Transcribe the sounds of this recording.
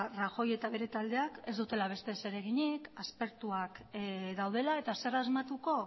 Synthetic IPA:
raxo̞je̞t̪aβe̞ɾe̞t̪ald̪e̞ake̞zd̪ut̪elaβ̞e̞st̪e̞se̞ɾe̞ɣ̞iɲikaspe̞ɾt̪uakðawð̞e̞laet̪ase̞razmat̪uko̞

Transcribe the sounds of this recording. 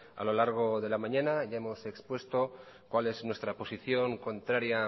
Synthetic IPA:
a̰lo̞laɾɣ̞o̞ðe̞lamãɲãnaʝae̞mo̞se̞kspwe̞st̪o̞ | kwale̞znwe̞st̪ɾapo̞siθjo̞ŋko̞nt̪ɾaɾja

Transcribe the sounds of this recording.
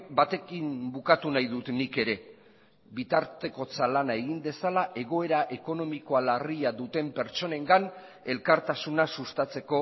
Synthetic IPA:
bat̪e̞kimbukat̪unajðut̪nike̞ɾe̞ | βit̪aɾt̪e̞ko̞t͡salanae̞ɣind̪e̞salaʔe̞ɣ̞o̞e̞ɾaʔe̞ko̞no̞miko̞alariaðut̪e̞mpe̞ɾt͡ʃo̞ne̞ŋɡan | e̞lkaɾt̪asunasust̪at͡se̞ko̞

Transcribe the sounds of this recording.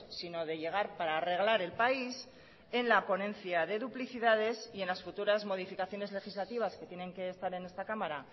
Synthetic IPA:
sino̞ðe̞ʎe̞ɣ̞aɾpaɾaːre̞ɣlaɾe̞lpais | e̞nlapo̞nẽ̞nθjaðe̞ðupliθiðað̞e̞sie̞nlasfut̪uɾazmo̞ð̞ifikaθjo̞ne̞zle̞xizlat̪iβaske̞t̪jene̞ŋke̞ːst̪aɾe̞ne̞st̪akamaɾa

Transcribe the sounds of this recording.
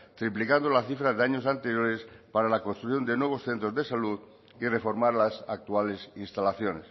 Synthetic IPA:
t̪ɾiplikand̪olaθifɾaðeaɲosant̪e̞ɾjoɾespaɾalako̞nst̪ɾuθjo̞nd̪enweβo̞sθe̞nt̪ɾo̞zðe̞saluð | ire̞fo̞ɾmaɾlasak̚t̪uale̞sinst̪alaθjone̞s

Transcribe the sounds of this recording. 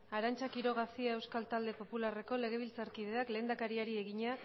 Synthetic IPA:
aɾant͡ʃakiɾo̞ɣ̞asiae̞wskalt̪ald̪e̞po̞pulare̞ko̞le̞ɣ̞e̞β̞ilt͡saɾkið̞e̞akle̞ːnd̪akaɾiaɾie̞ɣiɲa

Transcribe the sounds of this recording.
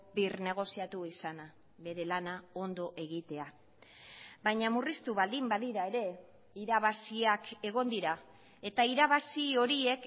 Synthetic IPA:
birne̞ɣ̞o̞siat̪uisana | βe̞ɾe̞lanao̞nd̪oʔe̞ɣit̪e̞a | bajɲamurist̪uβald̪imbaðiɾae̞ɾe̞ | iɾaβ̞asiake̞ɣ̞o̞nd̪iɾa | e̞t̪aiɾaβasio̞ɾie̞k

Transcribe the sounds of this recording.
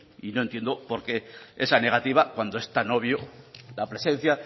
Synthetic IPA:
inont̪e̞nd̪o̞po̞ɾke̞esane̞ɣ̞at̪iβakwand̪oe̞st̪ano̞β̞jolapɾe̞sẽ̞n̟θja

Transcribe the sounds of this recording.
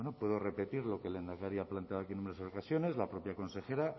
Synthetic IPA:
enopwe̞ðo̞re̞pe̞t̪iɾlo̞ke̞lend̪aɣaɾiaplant̪eaðakienumeɾseokasjo̞ne̞zlapɾo̞pjako̞nse̞xe̞ɾa

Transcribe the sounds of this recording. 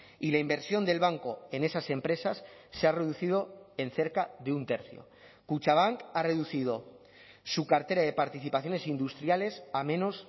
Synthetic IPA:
ilaimbe̞ɾsjo̞nd̪e̞lβ̞aŋko̞ene̞sase̞mpɾe̞sasːeare̞ðuθið̞o̞e̞nθe̞ɾkaðe̞unt̪e̞ɾθjo̞̰ | kut͡ʃaβ̞aŋkare̞ðuθið̞o̞ | sukaɾt̪e̞ɾaðe̞paɾt̪iθipaθjo̞ne̞sind̪ust̪ɾjale̞samẽ̞no̞s

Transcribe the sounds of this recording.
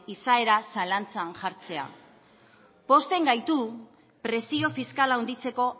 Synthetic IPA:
isae̞ɾasalant͡saːnʝaɾt͡se̞a̰ | po̞st̪e̞ŋɡajt̪u | pɾe̞sio̞fiskalaund̪it͡se̞ko̞

